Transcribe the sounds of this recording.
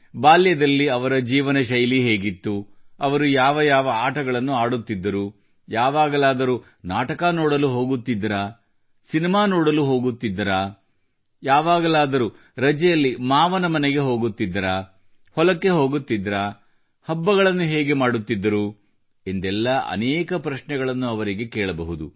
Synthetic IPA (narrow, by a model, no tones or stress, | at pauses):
baːljɐd̪ɐlːiɐʋɐɾɐd͡ʒiːʋɐnɐʃɐjliɦeːɡit̪ːuɐʋɐɾujaːʋɐjaːʋɐaːʈʰɐɡɐɭɐnːuaːɽut̪ːid̪ːɐɾu | jaːʋaːɡɐlaːd̪ɐɾu | naːʈɐkɐnoːɽɐluɦo̞ːɡut̪ːid̪ːɐɾaː | sinimaːnoːɽɐluɦo̞ːɡut̪ːid̪ːɐɾaː | jaːʋaːɡɐlaːd̪ɐɾu | ɾɐd͡ʒɛjɐlːimaːʋɐnɐmɐneɡe̞ɦo̞ːɡut̪ːid̪ːɐɾaː | hɔlɐkːe̞ɦo̞ːɡut̪ːid̪ːɾaː | hɐbːɐɣɐɭɐnːuɦɛːɡe̞maːɽut̪ːid̪ːɐɾu | e̞nd̪ɛlːɐʔɐ̰nɛːkɐpɾɐʃɳɛɡɐɭɐnːuɐʋɐɾiɡe̞kɛːɭɐbɐɦud̪u